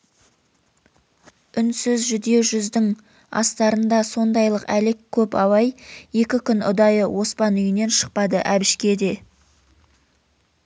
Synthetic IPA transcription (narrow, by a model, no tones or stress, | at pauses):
ʏnsɪzʒʏd̪e̞wʒʏzd̪ɪŋ | ɑ̰st̪ɑɾənd̪ɑso̞nd̪ɑjlˠəqælɪkʲʰːɵpɑwɑje̞kʲɪkʲʰʏnʊ̰d̪ɑjəwʔo̞spɑnʏjɪne̞nʃə̥q̚pɑd̪əʔæbɪʃkʲe̞d̪e̞